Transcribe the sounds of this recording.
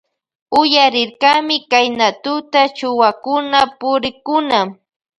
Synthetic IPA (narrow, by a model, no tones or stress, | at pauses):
ʊjaɾɪɾkamɪkajnat̪ʊt̪at͡ʃʊwakʊnapʊɾɪkʊna